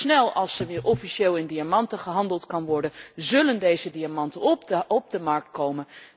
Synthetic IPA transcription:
nɛlˠɑlˠsəɹʋɪːɹʔɔfiʃeːlˠɪndiamɑntəχəɦɑndəlˠtkɑnʋɔɹdənzɵləndejzədiamɑntəɔb̚dəmɑɹk̚t̚kowmən

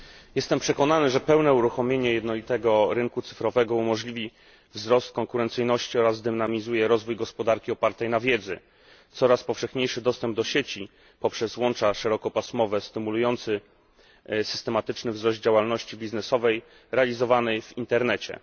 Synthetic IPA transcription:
jɛst̪ɛmpʂɛkɔnanɘʐɛpɛwnɛuɾuxɔmʲjeɲɛjɛd̪nɔlʲit̪ɛɡɔɾɘŋkut̪sɘ̥fɾɔvɛɡɔumɔʐlʲivʲi | vzɾɔst̪̚kɔŋkuɾɛnt̪sɘjnɔɕt͡ɕiɔɾazd̪ɘmnamʲizujɛɾɔzvujɡɔspɔd̪aɾkʲiɔpaɾt̪ɛjnavʲjɛd̪zɛ̰ | t̪sɔɾaspɔfʂɛxɲejʂɘd̪ɔst̪ɛmb̚d̪ɔɕet͡ɕi | pɔpʂɛzwɔnt͡ʂaʂɛɾɔkɔpasmɔvɛst̪ɘmulujɔnt̪sɘ | sɘ̥st̪ɛmat̪ɘt͡ʂnɘvzɾɔzd̪̚d͡ʑawalnɔɕt͡ɕibʲiznɛsɔvɛj | ɾɛalʲizɔvanɛjvint̪ɛɾnɛt͡ɕɛ̰

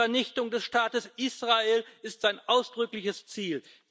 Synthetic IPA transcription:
ɛɐnɪçtʊŋdɛsʃtaːtəsʔiːsʁ̥aeːlɪstz̥aɪnʔaʊsd̥ʁʏklɪçəst͡siːl

